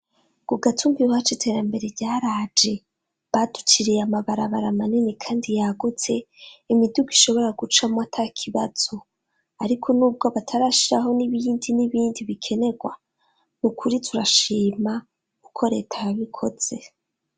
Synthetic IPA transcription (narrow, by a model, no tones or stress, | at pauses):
ɡ̥uɡatʰumbiat͡ʃitʰe̞ːɾambe̞ɾe̞ɟaːɾaːd͡ʒe̞ | βadu̥t͡ʃiɾijamaβaɾaβaɾamaninikʰaːndijaɡut͡se̞imiduɡiʃo̞βo̞ɾaɡut͡ʃamwatʰakʰiβaz̥o̞ | aɾikʰo̞nuːb̚ɡo̞βatʰaɾaʃiɾaɦo̞niβindiniβiːndiβikʰe̞ne̞ɡwa̰ | nukʰuɾitʰuɾaʃiːma | kukʰo̞ɾe̞̰ːtʰajaβikʰo̞z̥e̞